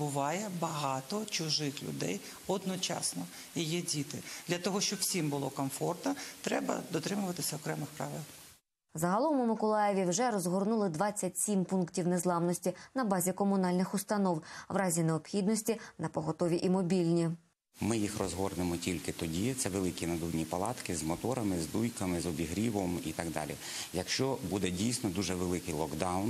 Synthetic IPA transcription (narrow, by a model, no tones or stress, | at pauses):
bʊʋɑjɛbɐɦɑt̪ɔt͡ʃʊʒɪxlʲʊ̰d̪ɛ̰j | ɔd̪nɔt͡ʃɑ̰snɔ | jijɛdʲit̪ɪd̪lʲɐt̪ɔɦɔʃt͡ʃɔbwsʲimbʊlˠɔkɔmfɔrt̪nɐt̪ɾɛbɐ̰d̪ɔt̪ɾɪmʊʋɐt̪ɪsʲɐɔkɾɛmɪxpɾɑʋɪlˠ | zɐɦɐlˠɔmʊmʊkɔlˠɑjeʋʲiwʒɛɾɔzɦɔrnulˠɪd̪ʋɑt͡sʲːɐtʲsʲimpunktʲiwnezlˠɑmnɔsʲtʲinɐbɑzʲikɔmʊnɑlʲnɪxʊst̪ɐnɔwʋɾɑzʲineɔpxʲid̪nɔsʲtʲinɐpɔɦɔt̪ɔʋʲiʔimɔbʲilʲnʲi | mɪjixrɔzɦɔrnemɔtʲilʲkɪt̪ɔdʲit̪sɛʋelˠɪkʲinɐd̪uwnʲipɐlˠɑt̪kɪzmɔt̪ɔɾɐmɪzd̪ujkɐmɪzɔbʲiɦɾʲiʋɔmḭt̪ɑɡd̪ɑ̰lʲḭ | jɐkʃt͡ʃɔbud̪ɛdʲijsʲnɔd̪uʒɛʋelˠɪkɪjlˠɔɡd̪ɑwn